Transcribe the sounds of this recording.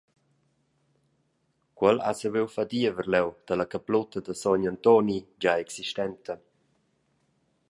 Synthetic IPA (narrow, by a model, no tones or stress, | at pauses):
kwɛla̰səvewfad̪iəvəɾlɛwd̪̥əlakaplɔt̪əd̪əsɔɲant̪ɔnid͡ʒaɛksiʃt̪ɛnt̪ə